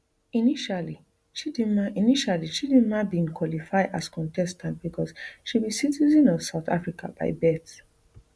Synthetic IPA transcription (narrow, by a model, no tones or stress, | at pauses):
iniʃali | ʃidĩmaʔiniʃaliʃidĩmabĩnkwɔlifaɪdaskɔ̃ntɛstãntbikʰɔsʃibisitizɔ̃nɔvsaʊta̰fɹika̰ba̰ɪbɛt